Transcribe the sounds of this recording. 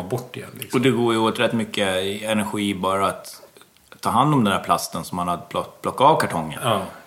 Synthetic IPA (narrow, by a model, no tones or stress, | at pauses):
bɔʈːɪjɛ̰nːlɪ̰kɔd̪ɛɡoːjəoːt̪ɾɛt̪ːmʏkːəɛnæɾɧiːbɑːɾaːt̪ʰː | ɑːɦand̪ɔmd̪ɛnd̪æːɾpʰlast̪ənsɔmːanhad̪əpʰlɔblɔkːaɑːvkʰaʈʰɔŋːə̰nː